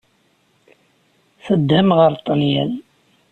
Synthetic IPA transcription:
θəd̪həmʁəɾt̪ˤənjæl

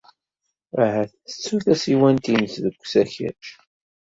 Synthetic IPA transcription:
əhæθθə̥t͡sːuθæsiwænt̪insðəkʷːsæçæ̰ʃ

